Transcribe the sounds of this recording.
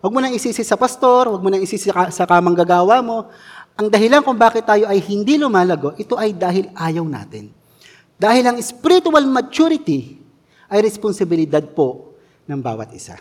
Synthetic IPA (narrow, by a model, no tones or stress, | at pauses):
wɐɡ̚monɐŋɪsiːsɪsɐpɐst̪o̞ɾwɐɡ̚monɐŋɪsiːssɐkɐmɐŋɡɐɡaːwamo̞ | ʔɐŋd̪ɐɦɪlankʊŋbaːkɪt̪ːaːjo̞ʔɐjhɪnd̪ilʊmaːlɐɡo̞ʔɛt̪o̞ʔɐjd̪aːɦɪlʔaːjɐwna̰ːt̪ɪn | d̪aːhɪlɐŋɪspɪɾɪt̪ʊɐlmɐt͡ʃuɾɪt̪i | ʔɐjɾɛsponsɐbɪlɪd̪ad̪̚po̞ | nɐŋba̰ːwɐ̰t̪ʔɪsa̰